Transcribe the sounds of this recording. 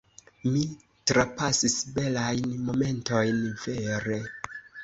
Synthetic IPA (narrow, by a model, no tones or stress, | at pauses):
mi | tɾapasisbe̞lajnmo̞me̞nto̞jnveɾe